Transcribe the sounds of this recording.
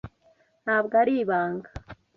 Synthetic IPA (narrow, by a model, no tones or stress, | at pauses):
nhaːbɡaɾiːβaːŋɡḁ